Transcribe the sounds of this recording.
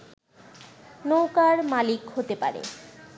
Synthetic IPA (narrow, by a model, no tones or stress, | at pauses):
nowkaɾmalikhot̪epa̰ɾḛ